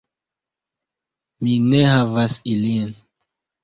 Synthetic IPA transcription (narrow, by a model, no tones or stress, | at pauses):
mineɦavasilian